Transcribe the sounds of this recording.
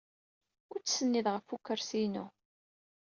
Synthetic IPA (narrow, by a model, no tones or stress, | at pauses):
ʊɾt͡sːsənːiðʁəfːukːəɾsinu